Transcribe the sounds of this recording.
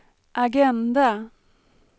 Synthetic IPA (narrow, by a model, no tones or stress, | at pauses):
ʔaɡɛnd̪a